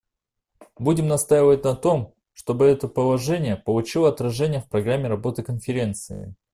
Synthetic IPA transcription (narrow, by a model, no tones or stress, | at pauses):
budʲɪmnɐst̪ajɪvət̚ʲnɐt̪o̞m | ʂt̪o̞bɨɛt̪əpəlˠɐʐɛnʲɪjəpəlˠʊt͡ɕilˠəɐɐt̪ɾɐʐɛnʲɪjəfpɾɐɡramʲːɪɾɐbo̞t̪ɨkənfʲɪɾʲe̞nt̪sɨ̰ɪ̰